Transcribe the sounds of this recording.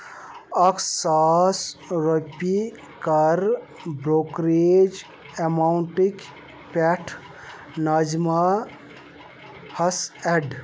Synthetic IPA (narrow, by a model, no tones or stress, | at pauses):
ɐksasɾopi | kɐɾ | bɾokɾed͡ʒ | emauɳʈik | pɛʈʰ | nad͡ʒma | hɐsɛɖ